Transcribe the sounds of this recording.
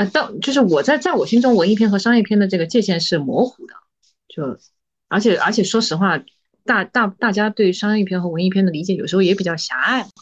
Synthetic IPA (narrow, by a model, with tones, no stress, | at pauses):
ə˥˧t̪ɑ˥˩ŋt͡ɕjo˥˧ʊʂ̬ɻ̩˥˩wɔ˨˩t͡sa˥˧ɪt͡sa˥˩ɪwɔ˨˩ɕi˥ŋʈ͡ʂʊ˥ŋwə˧˥ni˥˩pʰjɛ˥nxɤ˧˥ʂɑ˥ŋjɛ˥˧pʰjɛ˥nd̪ə˩ʈ͡ʂɤ˥˩ɡə˩t͡ɕjɛ˥˧ɕjɛ˥˧nʂɻ̩˥˩mwɔ˧˥xu˨˩d̪ə̰˦ | t͡ɕjo˥˩ʊ | ə̰˞˧˥t͡ɕʰjɛ˨˩˦ʔə˞˧˥t͡ɕʰjɛ˨˩ʂwɔ˥ʂɻ̩˧˥xwa˥˩ | t̪a˥˧t̪a˥˧˩t̪a˥˩t͡ɕja˥t̪we˥˩ɪʂɑ˥ŋjjɛ˥˩pʰjɛ˥nxɤ˧˥wə˧˥ni˥pʰjɛ˥˩nd̪ə˩li˧˥t͡ɕjɛ˨˩˥jʂɻ̩˧˥xjɛ˧˥pi˨˩t͡ɕjɑ˥˩ʊɕja̰˧˥a˥˩ɪm˩